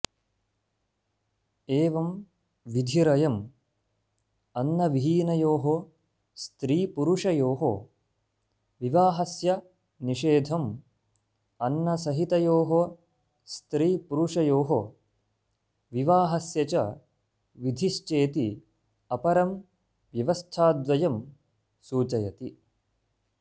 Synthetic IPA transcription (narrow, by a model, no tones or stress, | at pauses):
eːʋɐm | ʋid̪ʱiɾɐjɐm | ɐnːɐʋiɦiːnɐjoːɦo | st̪ɾiːpuɾuʂɐjoːɦo̰ | ʋiʋaːɦɐsjɐ | niʃeːd̪ʱɐm | ɐnːɐsɐɦit̪ɐjoːɦo | st̪ɾiːpuɾuʂɐjoːɦo | ʋiʋaːɦɐsjɐt͡ʃɐ | ʋid̪ʱiʃt͡ʃeːt̪i | ɐpɐɾɐm | ʋjɐʋɐst̪ʰaːd̪ʋɐjɐm | suːt͡ʃɐjɐt̪i